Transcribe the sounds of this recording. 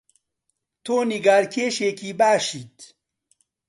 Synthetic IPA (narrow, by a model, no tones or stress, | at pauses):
t̪ʰoːniɡaːɾkʰeːʃeːkiːbaːʃiːt̪